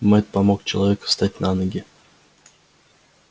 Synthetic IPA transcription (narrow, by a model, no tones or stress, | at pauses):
mɛt̪̚pɐmok̚t͡ɕɪlˠɐvʲekə̥st̪at̚ʲnanəɡʲɪ